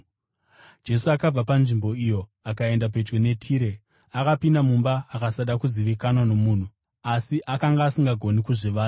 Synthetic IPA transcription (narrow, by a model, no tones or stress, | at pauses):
d͡ʒe̞suakab͡vapanʐimbo̞ijo̞akae̞ndap̬e̞t͡ʃɡene̞tʰiːɾe̞ | akapindamumbaːkasaɗakuziʋikanwano̞muːn̤u | asiʔakaŋɡaːsiŋɡaɡʱo̞nikuʐiʋaːta